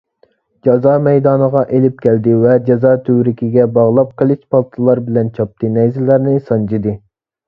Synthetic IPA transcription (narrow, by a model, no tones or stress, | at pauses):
d͡ʒɑzɑmɛjd̪ɑːnəʁɑʔelɪp̚kʲʰɛld̪ɪvɛd͡ʒɑzɑt̪ʰøwɾɪkʲʰiɡʲɛbɑʁlˠɑp̚qʰəlˠɨʃpʰɑlˠt̪ʰɨlˠɑɾbɪlɛnt͡ʃʰɑp̚t̪ʰɨnɛjzɪlːæɾnɪsɑnd͡ʒid̪ɨ